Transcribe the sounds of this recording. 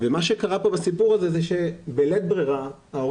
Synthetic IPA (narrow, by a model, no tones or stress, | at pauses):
vemaʃekaʁapobasipuʁazezeʃebelet̪̚bʁiʁa | ao